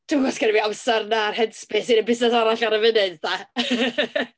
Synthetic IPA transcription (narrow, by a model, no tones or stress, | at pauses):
d̥uɡɔskʰɛnviawsɛrnarhɛdspɪsiɾəbɪsnɛsaɾaɬaɾəvɪnɨdða